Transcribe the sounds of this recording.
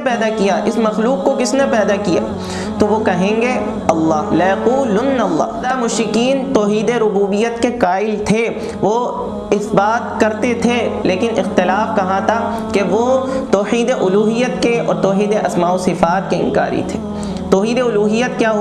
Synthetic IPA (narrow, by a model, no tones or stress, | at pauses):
pɛːd̪akijaʔɪsmɐxluːkːokɪsnepɛːd̪akija̰ː | t̪oʋokɐɦẽːŋɡe | ɐlːaːɦlɐjɐquːlʊnːɐlˤːa̰ːamʊʃɾɪkiːnt̪ɔːɦiːd̪eɾʊbuːbijət̪kekaːɪlt̪ʰe | ʋo | ɪsbaːt̪̚kɐɾt̪et̪ʰeleːkɪnɪxt̪ɪlaːfkɐɦãt̪ʰa | keʋot̪ɔːhiːd̪eʔʊluːɦijːət̪keɔ̰ːɾt̪ɔːɦiːd̪eʔɐsmaːosɪfaːt̪̚keɪ̰̃nka̰ːɾḭt̪ʰeː | t̪ɔːɦiːd̪eʊluːɦijət̪̚kjaːɦ